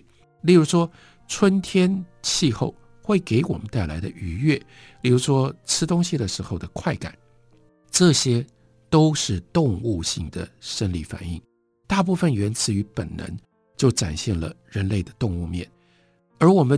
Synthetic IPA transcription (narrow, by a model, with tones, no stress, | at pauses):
li˥˩ɻu˧˥ʂwɔ˥ | ʈ͡ʂʰwə˥nt̪ʰjɛ˥nt͡ɕʰi˥˧xo˥˧˩ʊ | xwe˥˩ɪke˧˥ɪwɔ˨˩mə˦nt̪a˥˩ɪla˧˥ɪd̪ə˧ʔy˧˥ɥɛ˥˩ | li˥˩ɻu˧˥ʂwɔ˥ʈ͡ʂʰɹɻ̩˥t̪ʊ˥ŋɕi˨˩d̪ə˩ʂɻ̩˧˥xo˥˩ʊd̪ə˩kʰwa˥˩ɪka̰˨˩˦n | ʈ͡ʂɤ˥˩ɕjɛ˥ | t̪o˥ʊʂɻ̩˥˧t̪ʊ˥˧ŋu˥˧ɕi˥˩ŋd̪ə̰˩ʂə˥nli˥˩fa̰˨˩nḭ˥˩ŋ | t̪a˥˧p̬u˥˩fə˨nɥɛ˧˥nt͡sʰɹ̩˨˩y˧˥pə˨˩nnə̰˧˥ŋ | t͡ɕjo˥˩ʊʈ͡ʂa̰˨˩nɕjɛ˥˩nlə̰˩ɻə˧˥nle˥˩ɪd̪ə˩t̪ʊ˥˧ŋu˥˧mjɛ̰˥˩n | ə˞˧˥wɔ˨˩mə˦